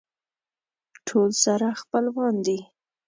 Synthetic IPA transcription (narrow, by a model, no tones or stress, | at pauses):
ʈʰolsaɾaxpəlwɑnd̪i